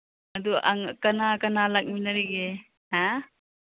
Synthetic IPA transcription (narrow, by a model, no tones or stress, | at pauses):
ɐd̪uʔa̰ŋkanakanalak̚minaɾiɡe | a